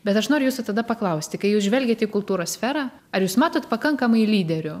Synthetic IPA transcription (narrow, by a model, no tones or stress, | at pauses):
bʲɛt̪ɐʃnoːɾʲʊjuːsʊt̪ɐd̪ɐpɐklˠɐʊsʲt̪ʲɪkɐɪjuːsʒʲʋʲɛlʲɡʲeːt̪ʲɪkʊlˠt̪uːɾoːsʲsʲfʲɛːɾɑː | ɐɾjuːsmɑːt̪oːt̪pɐkɐŋkɐmɐɪlʲiːd̪ʲɛɾʲʊ